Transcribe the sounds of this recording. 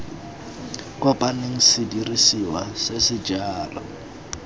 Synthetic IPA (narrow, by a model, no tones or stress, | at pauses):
kʼwapʼaneŋ̩sɪdirisiwasesɪd͡ʒaːra̰